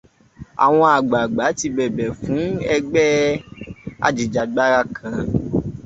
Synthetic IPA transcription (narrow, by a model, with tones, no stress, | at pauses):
a̰˨w̃ɔ̃˧a˨ɡ͡ba˨ɡ͡ba˨˦ti˧bɛ˨bɛ˨fũ˨˦ɛ˧ɡ͡bɛ˦ | a̰˧d͡ʒi˨d͡ʒa˨ɡ͡ba˦ɾa˧kʰã˨